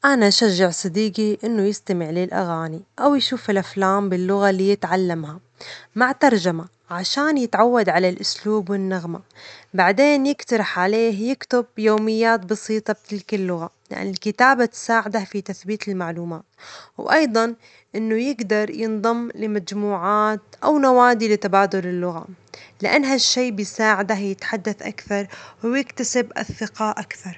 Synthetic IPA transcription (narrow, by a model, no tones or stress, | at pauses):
ʔanaʔʃaʒːaʕsˤɨd̪iːɡiʔɪnːʊjɪst̪amɪʕlɪlʔa̰ɣaːniʔawjʃuːfɪlʔaflaːmbɪlːʊɣalijɪt̪ʕalːamha | maʕt̪ɑɾˤd͡ʒama | ʕaʃaːnjɪt̪ʕawːad̪ʕalalʔʊsluːbwɪnːaɣmabaʕd̪eːnjɪkt̪ɑɾˤɑħʕaleːɦjɪkt̪ʊb̚joːmɪjːaːt̪bɑsiːt̪ˤɑb̚t̪ɪlkɪlːʊɣalɪ̰ʔa̰nːɪlkɪt̪aːbat̪saːʕɪd̪afit̪aθbiːt̪ɪlmaʕluːmaːt̪wʔɑjd̪ˤɑn | ʔɪnːʊjɪɡd̪ɑɾˤjɪnðˤɑmːlɪmad͡ʒmuːʕaːt̪ʔawnawaːd̪ilɪt̪abaːd̪ʊlɪlːʊɣa̰lɪʔa̰nːɦaʃːeːbjɪsaːʕɪd̪ajɪt̪ħad̪ːaθʔa̰kθɑɾˤwjɪkt̪asɪbʔa̰θːɪqɑʔakθɑɾˤ